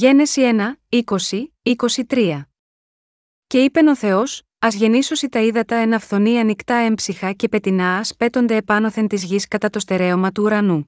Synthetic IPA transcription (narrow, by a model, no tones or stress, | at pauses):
ʝe̞ne̞sie̞nɐiko̞siiko̞sit̪ɾiɐ | ce̞ipe̞no̞θe̞o̞s | ɐzʝe̞niso̞sit̪ɐiðɐt̪ɐe̞nɐfθo̞niɐnikt̪ɐe̞mbsixɐce̞pe̞t̪inɐːspe̞t̪o̞nd̪e̞ːpɐno̞θe̞nt̪izʝiskɐt̪ɐt̪o̞st̪e̞ɾe̞omɐt̪uːɾɐnu